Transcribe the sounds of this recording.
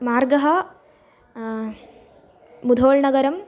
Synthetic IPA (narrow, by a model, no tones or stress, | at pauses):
maːrɡɐɦɐ | mud̪ʱoːɭɳɐɡɐɾɐm